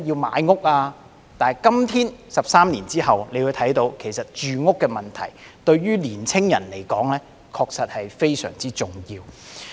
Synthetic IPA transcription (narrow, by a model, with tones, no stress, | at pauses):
jiː˧wma̰ː˨˧jŋʊ˥k̚aː˧ | t̪aː˨kɐ˥mt̪ʰiː˥nsɐ˨p̚saː˥mniː˨˩nt͡siː˥hɐ˨wnle˨˧jwu˨˧t̪ʰɐ˨˥jt̪o˨˧wkʰe˨˩jsɐ˨t̚t͡ʃyː˨ŋʊ˥kːɛː˧mɐ˨nt̪ʰɐ̰˨˩j | t̪ɵ˧ɥɥyː˥liː˨˩nt͡sʰɪ˥ŋjɐ̰˨˩nle˨˩jkɔː˨˥ŋlɛː˥ | kʰɔː˧k̚sɐ˨t̚hɐ˨jfe˥jsœ̰ː˨˩ŋt͡siː˥t͡sʊ˨ŋjiː˧w